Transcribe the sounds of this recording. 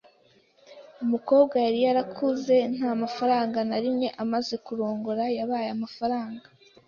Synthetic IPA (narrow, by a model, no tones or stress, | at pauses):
umuko̞ːbɡajaɾijaɾakʰuze̞n̥aːmafaɾaːŋɡanaɾimɲe̞ʔamaze̞kuɾo̞ːŋɡoɾajaβaːjamafaɾaːŋɡa